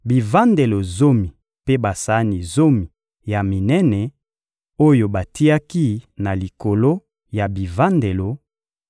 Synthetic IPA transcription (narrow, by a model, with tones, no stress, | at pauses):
bi˨va˦nde˨lo˨zo˦mi˨ | pe˦ba˨sa˦ni˨zo˦mi˨ | ja˨mi˨nɛ˦nɛ˨ | o˦jo˨ba˨ti˦a˦ki˦na˨li˨ko˨lo˦ | ja˨bi˨va˦nde˨lo˨